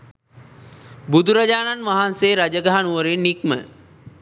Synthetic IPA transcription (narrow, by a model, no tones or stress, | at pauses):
bud̪uɾad͡ʒaːnanʋaɦanseːɾad͡ʒəɡaɦanuʋəɾinːikmə̰